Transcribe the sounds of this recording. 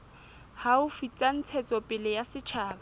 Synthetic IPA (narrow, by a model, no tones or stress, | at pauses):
haʊfit͡sʼan̩t͡sʰɛt͡sʼɔpʼɪlɪjasɪt͡ʃʰaːba